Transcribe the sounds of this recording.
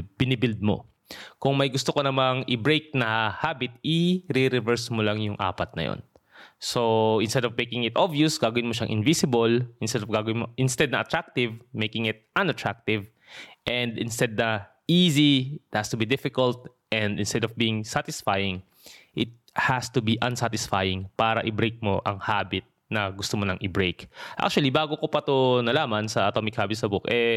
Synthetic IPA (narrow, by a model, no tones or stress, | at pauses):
b̥ɪnɪbɪld̪̚mo̰ | kʊŋmɐjɡʊst̪okonɐmaŋʔɪbɹejk̚nɐhabɪt̪ɪɾɪɾɛvɛɹsmʊlɐŋjʊŋʔa̰ːpɐt̪̚nɐ̰jo̰n | soʔɪ̃nst̪ɛd̪ɔvmejkɪŋɪt̪ʔovjʊsɡaːɡɐwɪnmoʃaŋʔɪ̰nvisɪbolʔɪnst̪ɛd̪ɔvɡaɡɐwɪnmoʔɪnst̪ɛd̪̚nɐʔɐt̪ɹak̚t̪ɪvmejkɪŋɪt̪̚ʔɐ̃nɐt̪ɹak̚t̪ɪv | ʔɛ̃nd̪ɪnst̪ɛd̪̚nɐ | iːziɪt̪̚hast̪ʊbid̪ɪfɪkɐlt̪̚ | ʔɛ̃nd̪ɪ̃nst̪ɛd̪ɔvbiːɪŋsat̪ɪsfajɪ̃ŋ | ʔɪt̪̚hast̪ʊbiʔɐ̃nsat̪ɪsfajɪ̃ŋpaːɾɐʔɪbɾejk̚mo̞ʔɐŋhaːbɪt̪̚nɐɡʊst̪omonɐŋʔɪbɹejkʔa̰k̚t͡ʃʊɐlibaːɡokopɐt̪onɐlaːmɐnsɐʔɐt̪omɪkhaːbɪt̪sɐbʊkʔɛ